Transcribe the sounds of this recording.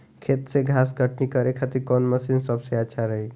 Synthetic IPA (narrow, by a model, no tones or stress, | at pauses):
kʰet̪seɡʱasɡəʈnikəɾekʰat̪iɾkɔnməsinsəbseatːʃʰaɾəɦi